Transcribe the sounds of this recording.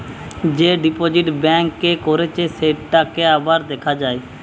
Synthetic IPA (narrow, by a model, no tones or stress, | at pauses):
d͡ʒeːɖɪpoːd͡ʒɪʈbɛ̃ːŋkːekɔɾet͡ʃeseːʈakeaːbaːɾd̪eːkʰad͡ʒaːe